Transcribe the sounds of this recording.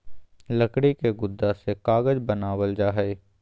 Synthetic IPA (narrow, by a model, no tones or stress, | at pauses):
ləkɽikeɡʊd̪ːasekaːɡəd͡ʒbənaːwəld͡ʒaːɦɛ